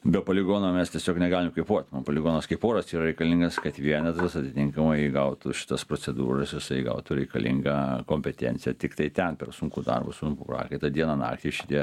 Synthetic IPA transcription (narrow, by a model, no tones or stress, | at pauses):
bʲɛpolʲɪɡoːnoːmʲɛst̪ʲiɛsʲoːknʲɛɡɑːlʲɪmkɐɪpuɔt̪nopolʲɪɡoːnɐskɐɪpoːɾɐsiːɾɐɾʲɛɪkɐlʲɪŋɡɐskɐt̪ʋʲiɛnʲɛd̪ɾɐsɐt̪ʲɪt̪ʲɪŋkɐmɐɪɡɐʊt̪ʊʃʲɪ̥t̪ɐspɾoːt͡s̪ʲɛd̪ṵːɾɐsjɪsɐɪɡɐ̰ʊt̪ʊɾʲɛɪkɐlʲʔɪ̰ŋɡɐkoːmʲpʲɛt̪ʲɛ̰nʲtt͡s̪ʲsʲɪjɛt̪ʲɪkt̪ɐɪt̪ʲɛnpʲɛrsuŋkud̪ɐ̰rbṵsuŋkuprɑ̰ːkɐɪt̪ɐd̪ʲiɛnɐnɑ̰ːkt̪ʲiɪʃʲɪt̪ʲiɛ